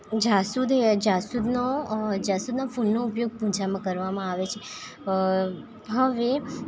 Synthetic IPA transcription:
d͡ʒasud̪ed͡ʒasud̪nod͡ʒasud̪nafunːoupjoɡ̚pũd͡ʒamãkəɾʋamãaʋet͡ʃʰe | ɦəʋe

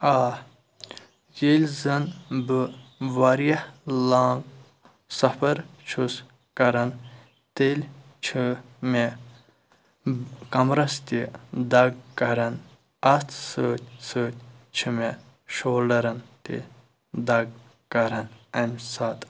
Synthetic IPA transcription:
aː | jelʲzɐnbɨʋaɾiɐhlaːŋɡ | sɐfʰɐɾt͡ʃʰus | kɐɾɐn | t̪elʲ | t͡ʃʰɨme | kɐmɾɐst̪id̪ɐɡkɐɾɐn | ɐt̪ʰsəːt̪ʲsəːt̪̚ʲt͡ʃʰɨme | ʃoːlɐɾɐnt̪ḭ | d̪ɐɡ̚ | kɐɾɐnɐmʲsat̪

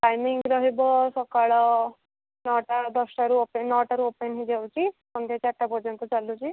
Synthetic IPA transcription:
ʈajmiŋɡɾɔɦibɔsɔkaɭɔ | nɔʈad̪ɔsʈaɾuopenɔʈaɾuopenɦid͡ʒawt͡ɕipɔnt̪et͡ɕaʈːapɔd͡zɔnt̪ɔt͡salut͡ɕi

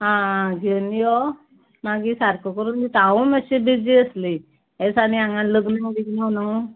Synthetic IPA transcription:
ɦãɡʱənijɔ | maɡisaɾkəkəɾuːnt̪it̪ãuməɕebid͡ziəsli | esaɽ̃iãŋɡanləɡnə̃d̪iɡnawnaũ

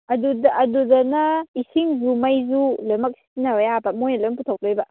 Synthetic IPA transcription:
ɐdudʔɐdudɐnɐisiŋzumɐjzulemɐk̚sinɐajabɐmojnɐlomput̪ʰaw̚dojbɐ

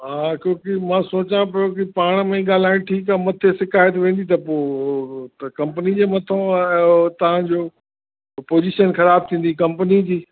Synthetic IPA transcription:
ɦaːkõːkɪmãːsoːt͡ɕãpɐjokɪpaːɽ̃mẽɠaːl̤aːɪɽ̃ʈʰiːkamɐt̪ʰesɪkaːjət̪ʋẽːn̆d̪it̪̬ɐpo | t̪ɐkɐ̃mpənid͡ʑeːmɐt̪ʰo | t̪ɐʋ̤ãd͡ʑoː | poːd͡ʑiʃənxɐɾaːb̚t̪ʰĩːn̆d̪ikɐ̃mpənid͡ʑiː

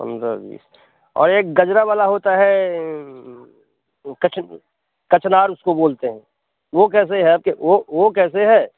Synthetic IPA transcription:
pə̰̃nd̪ɾa̰bḭːs | ɔ̰ːɾeːk̚ɡɐd͡ʒɾaʋaːlaɦoːt̪aɦɛ | kɐt͡ʃ | kɐt͡ʃnaːɾʊskoboːlt̪eɦɛ̃ː | ʋok̬ɛːs̬eɦɛəb̚keʋoʋokɛːs̬eɦɛː

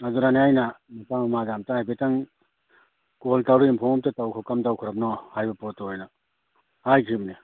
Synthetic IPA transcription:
azuɾaniajnamipamamazamtahajbetaŋ | koltawɾuimpʰɔŋɔp̚tatawkʰɔkamtawkʰɯɾap̚nɔhajbɐpɔtɔjna | hajkʰibni

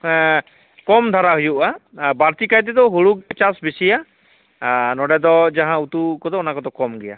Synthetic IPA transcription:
kɔmd̪ʱaɾaɦujuʔabaɾt̪ikajt̪̬ɛd̪ɔɦoɽukt͡ʃasbisija | nɔɖɛd̪ɔd͡ʒaɦãut̪ukɔt̪ɔɔnakɔt̪ɔkɔmɡɛja̰

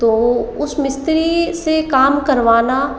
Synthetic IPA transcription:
t̪oːʊsmɪst̪ɾisekaːmkɐɾʋaːna

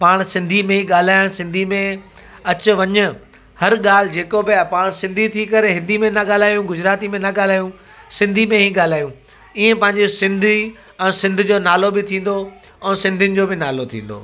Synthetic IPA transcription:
paːɽ̃sɪ̃nd̪ʱimẽɦĩɠaːl̤aːɪɽ̃sɪ̃nd̪ʱimẽ | ɐt͡ɕʊ̆ʋɐɲʊ̆ | hɐɾɠaːl̤ɪd͡ʑeːkobɪpaːɽ̃sɪ̃nd̪ʱit̪ʰikɐɾeɦɪ̃nd̪ʱimẽnɐɠaːl̤aːjũɡʊd͡ʑɾaːt̪imẽnɐɠaːl̤aːjũ | sɪ̃nd̪ʱimẽɦiɠaːl̤aːjũ | iẽpɐ̃ɦɪ̃ɲd͡ʑesɪ̃nd̪ʱi | ɛ̃ːsɪ̃nd̪ʱʊ̆d͡ʑoːnaːlobɪt̪ʰĩːn̆d̪o | ɛ̃ːsɪ̃nd̪ʱɪnɪ̆d͡ʑoːbɪnaːlot̪ʰḭ̃ːn̆d̪o̰ː

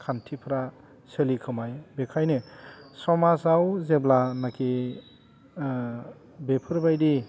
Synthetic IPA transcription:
kʰantʰipʰɾa | selikʰɯmajbekʰajnesɔmasawzeblanakʰi | bepʰɯɾbajdi

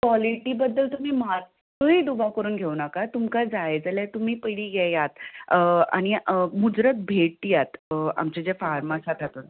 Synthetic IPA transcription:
kʋaliʈiːbəd̪ːəlt̪um̤iːmat̪ː | əiːd̪ubawkəɾuːnɡʱeʋnakat̪umkad͡zaed͡zəljat̪um̤iːpəɽiːɡɛjat̪ | a̰ɽ̃imud͡zɾət̪̚bʱeʈ̚ːjat̪a̰mt͡ɕed͡zefaɾmasat̪at̪un

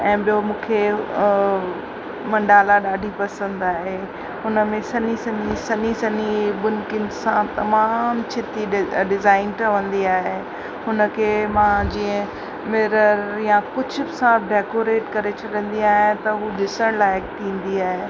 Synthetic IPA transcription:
ɛ̃ːɓijomũːkʰe | mɐ̃ɳɖaːlaɗaːɖʱipɐsə̃nd̪aːɦe | ɦʊnə̆mẽsɐnisɐnisɐnisɐniɓʊnkɪnsãt̪ɐmaːmt͡ɕʰɪt̪iɖɪzaːɪnʈʰɐʋə̃nd̪iaːɦe | hʊnə̆kʰeːmãd͡ʑiːə̃ | mɪɾəɾjãkʊd͡ʑʱʊ̆bɪsãɖeːkoɾeːʈkɐɾet͡ɕʰɐɗə̃n̆d̪iaːɦɪ̃t̪ɐɦuɗɪsəɽ̃laːɪk̚t̪ʰĩːn̆d̪iaːɦeː

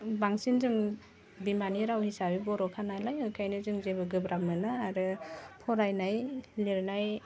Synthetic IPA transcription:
baŋsinzɯŋ | bimaniɾawhisabibɔɾɔkʰanajlajɯkʰajnɯzɯŋzebɯɡɯbɾamɯnaːɾɯpʰɔɾajnajliɾnaj

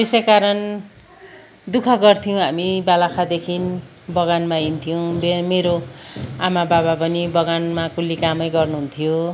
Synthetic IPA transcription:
bisekaɾʌn | d̪ukʰʌɡʌrt̪ʰijõɦamibalakʰad̪ekʰin | bʌɣanmaint̪ʰijow̃bmeɾoamababapʌnibʌɡanmakulːikamʌjɡʌrnuɦunt̪ʰijo

